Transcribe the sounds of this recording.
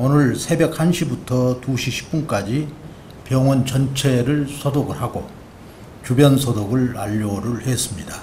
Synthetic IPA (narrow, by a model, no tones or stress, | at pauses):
onɯɭsʰe̞be̞k̚hanɕʰibutʰʌtuɕʰiɕʰi̥p̚p͈unk͈ad͡ʑi | pjʌŋwʌnt͡ɕʌnt͡ɕʰe̞ɾɯɭsʰʌdoɡɯɭaɡo | t͡ɕubjʌnsʰʌdoɡɯɭa̰ʎːoɾuɭhes͈ɯmɲida